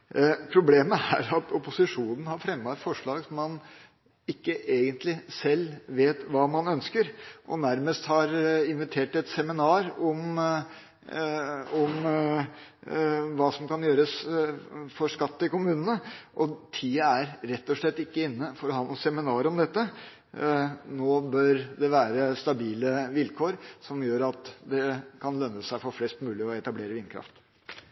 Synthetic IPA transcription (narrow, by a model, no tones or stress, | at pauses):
pʰɾʊbleːməæ̰ɾɑt̪ʰɔpʊsɪʂuːnən̩hɑɾfɾɛmːʋɑt̪fɔʂɭɑːɡsɔmːɑn | ɪkːəʔeːɡənt̪lɪsɛlːʋeːt̪ʋɑːmɑnœnskəɾʔɔ̰næɾməst̪hɑɾɪnʋɪt̪ʰeːʈɛt̪sɛmɪnɑːɾɔm | ɔm | ʋɑːsɔmkɑnjøːɾəs | fɔɾʂkɑt̪ːəɪkʊmʉːnənəʔɔt̪ʰiːəæɾɾɛt̪ːɔʂɭɛt̪ːɪkːəɪnːəfɔɾɔɦɑːnuːsɛmɪnɑːɾəɔmd̪ɛt̪ːə | noːbœɾd̪ɛʋæːɾəst̪ɑbiːləʋɪlkʰoːɾsɔmjøːɾɑt̪d̪ɛkʰɑnlœnːəsæɪfɔɾflɛst̪mʉːlɪɔɛt̪ɑbleːɾəʋɪːnkʰɾɑ̰ft̪